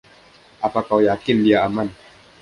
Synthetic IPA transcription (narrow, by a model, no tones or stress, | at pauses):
ʔapakawjakɪndiaaman